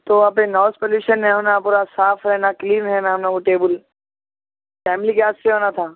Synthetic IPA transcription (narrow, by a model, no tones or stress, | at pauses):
t̪oːapẽnɔːspəluːʃənːɛ̃ɦʊnãpuːɾasaːfʰɾɛnakliːnɦɛːnaɦʊnãkuʈeːbəl | fɛːmɪlikaːsseɦonat̪ʰãː